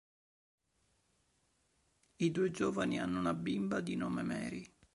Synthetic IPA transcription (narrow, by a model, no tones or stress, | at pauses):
id̪uːed͡ʒɔːvanianːounabimbad̪inɔːmemɛ̰ːɾi